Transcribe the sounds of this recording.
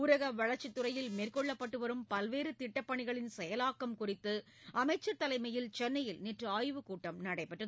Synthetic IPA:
uɾɐɣɐʋɐɭɐɾt͡ʃːɪt̪ːɯɾɐjɪlmeːrkɔɭːɐpːɐʈːɯʋɐɾɯmpɐlʋeːɾɯt̪ɪʈːɐpːɐɳɪɣɐɭɪnsɛjɐlaːkːɐmkʊrɪt̪ːɯ | ʔɐmɐɪt͡ʃːɐt̪ːɐlɐɪmɐjɪlt͡ʃɛnːɐjɪlniʈrɯaːjʋɯkuːʈːɐmnɐɽɐɪpːɐʈːrɐð

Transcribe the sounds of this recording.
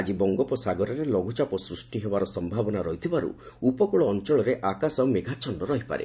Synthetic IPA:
ad͡ʒibɔŋɡɔpɔsaɡɔɾɔɾelɔɡʱut͡ʃapɔsɾusʈiɦebaɾɔsɔmbʱabɔnaɾɔɦit̪ʰibaɾṵ | upɔkuɭɔːnt͡ʃɔɭɔɾeʔakasawmeɡʱat͡ʃɔɳɖɔɾɔɦipa̰ɾḛ

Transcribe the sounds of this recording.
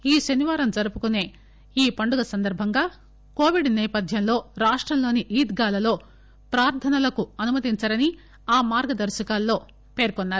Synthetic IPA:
iːʃɐniʋaːɾɐmd͡ʒɐɾupukune̞ː | iːpɐɳɖuɡɐsɐnd̪ɐɾbʱɐŋɡaː | ko̞ːʋiɖnɛːpɐd̪ʱjɐnlo̞ːɾaːʂʈɾɐmlo̞ːniʔiːd̪ɡaːlɐlo̞ː | pɾaːɾt̪ʰɐnɐlɐkuɐnumɐt̪iɲt͡ʃɐɾɐni | aːmaːɾɡɐd̪ɐɾʃɐkaːlːo̞ː | pe̞ːɾkɔnːaːɾ

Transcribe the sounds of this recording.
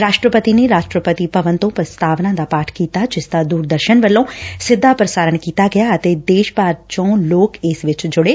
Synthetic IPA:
ɾaːʃʈɾəpət̪ineːɾaːʃʈɾəpət̪ipəʋənt̪õːpɾəst̪aːʋnãːd̪aːpaːʈʰkiːt̪aːd͡ʒɪsd̪aːd̪uːɾd̪əɾʃənʋəlːõːsɪd̪ʱːaːpɾəsaːɾənkiːt̪aːɡɪjaːət̪eːd̪eːʃbaːɾt͡ʃõːloːkɪsʋɪt͡ʃd͡ʒʊɽeː

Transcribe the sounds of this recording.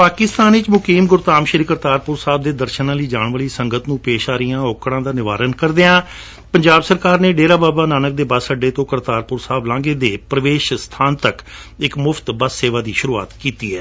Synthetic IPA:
paːkɪst̪aːnɪt͡ʃmʊkiːmɡʊɾt̪aːmʃɪɾikəɾt̪aːɾpʊɾsaːb̚d̪eːd̪əɾʃnãːləiːd͡ʒaːɳʋəːliːsəŋɡət̪nũːpeːʃaːɾijãːoːkɽãːd̪aːnɪʋa̰ːɾənkəɾd̪eãː | pəɲd͡ʒaːbsəɾkaːɾneːɖeːɾaːbaːbaːnaːnək̚d̪eːbasəɖːeːt̪õːkəɾt̪aːɾpʊɾsaːblãːɡeːd̪eːpɾəʋeːʃst̪ʰaːnt̪əkɪkmʊpʰt̪baːseːʋaːd̪iːʃʊɾuːa̰ːt̪kiːt̪ḭːɛː

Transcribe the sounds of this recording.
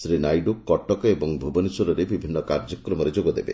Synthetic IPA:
sɾinajɖukːɔʈɔkɔebɔŋbʱubɔnisɔɾɔɾebibʱinːɔkaɾd͡ʒɔkɾɔmɔɾed͡ʒoɡɔd̪ebḛ

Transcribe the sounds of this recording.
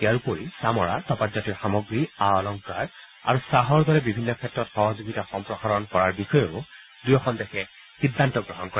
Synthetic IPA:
tijaɹupoɹisamɔɹa̰tɔpazɔtiɹxamɔɡɹiaɔlɔŋkaɹ | a̰ɹusaɦɔɹd̪ɔɹɛbibʱinːɔkʰɛtːɹɔtxɔɦɔzuɡitaxɔmpɹɔxaɹɔnkɔɹaɹbixɔjeʊ | dujɔkʰɔndɛxʰɛ | xidʱːantɔɡɹɔɦɔnkɔɹa

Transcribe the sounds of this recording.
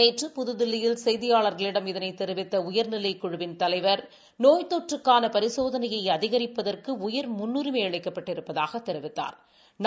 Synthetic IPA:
eːʈrɯpʊðɯðɪlːɐjɪlsɛjðɪjaːɭɐɾɣɐɭɪɽɐmɪðɐnɐɪt̪ːɛɾɯʋɪt̪ːɐʊjɐɾnɪlɐɪkːʊɻʊʋɪnt̪ɐlɐɪʋɐɾ | noːjt̪oːʈrɯkːaːnɐpɐɾɪsoːðɐnɐjɐɪɐðɪɣɐɾɪpːɐðɐrkɯʊjɐɾmʊnːuɾɪmeːɐɭɐɪkːɐpːɐʈːɪɾɯpːɐðaːɣɐt̪ːɛɾɪʋɪt̪ːa̰ːɾ | n

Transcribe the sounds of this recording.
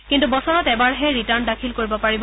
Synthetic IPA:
kintubɔsɔɹɔtɛbaɹɦɛɹitaɹndakʰilkoɹibɔpaɹibɔ

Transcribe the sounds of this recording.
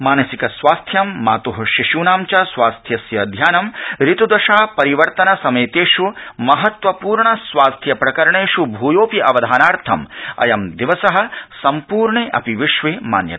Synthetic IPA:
maːnɐsikɐsʋaːst̪ʰjɐmːa̰ːt̪oɦɐʃiʃuːnaːmt͡ʃasʋaːst̪ʰjɐsjɐd̪ʱjaːnɐmɾit̪ud̪ɐʃaːpɐɾiʋɐɾt̪ɐnɐsɐmeːt̪eːʂumɐɦɐt̪ʋɐpuːɾɳɐsʋaːst̪ʰjɐpɾɐkɐɾɐɳeːʂubʱuːjoːpiʔɐʋɐd̪ʱaːnaːɾt̪ʰɐmɐ̰jɐmd̪iʋɐsɐɦɐ̆sɐmpuːɾɳeʔɐ̰piʋiʂʋeːma̰ːnjɐ̰t̪ː

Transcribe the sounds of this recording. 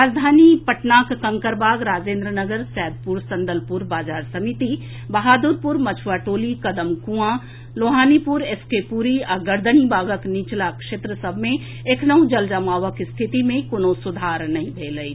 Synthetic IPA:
ɾaːd͡ʒd̪ʱaːnipəʈnaːkkə̃ŋkəɾbaːɡɾaːd͡ʒẽːnd̪ɾənəɡəɾsɛːd̪̚ʱpuɾsɐ̃nd̪əlpʊɾbaːd͡ʒaːɾsəmit̪i | bɐɦaːd̪uɾpʊɾmɐt͡ʃʰwaːʈoːlikɐd̪əmkũã | loːɦaːnipʊɾeskepuɾiɔɾɡəɾd̪ənibaːɡəknit͡ʃlakʃeːt̪ɾəsəbʱmẽ | eːknəũd͡ʒəld͡ʒəmaːʋəkst̪ʰɪt̪imẽkonosʊd̪ʱaːɾnɐɦĩbʱeːləi

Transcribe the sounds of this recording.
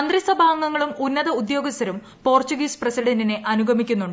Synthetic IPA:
ɐnd̪risɐbʱaːŋɡɐŋːɐɭumunːɐðɐud̪jo̞ːɡɐst̪ɐɾum | po̞ːrt͡ɕuɡiːsprɐsiɽɐndine̞ʔɐnuɡʱɐmikʲːunːuɳɖ

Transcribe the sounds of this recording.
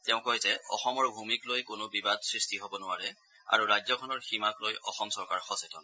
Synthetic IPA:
tɛʊ̃koɦjzɛɔ̰xɔmɔɹbʱumiklojkʊnʊbibadsɹistiɦobɔnʊaɹɛ | a̰ɹuɹajzɔkʰɔnɔɹximaklojʔɔxɔmsɔɹkaɹxɔsɛtʰɔn

